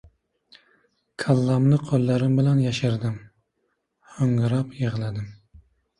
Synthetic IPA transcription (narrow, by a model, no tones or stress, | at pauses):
kʰalˠːamlɪqʰolˠːaɾɪmbɪlanjaʃɪɾd̪ɪm | hɵŋɾapjeʁlˠad̪ɪm